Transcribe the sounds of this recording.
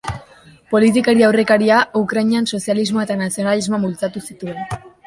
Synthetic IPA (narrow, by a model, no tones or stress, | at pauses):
po̞lit̪ikaɾiawre̞kaɾiaukɾajɲianso̞sializmo̞e̞t̪anasio̞nalizmomult͡sat̪usit̪ue̞n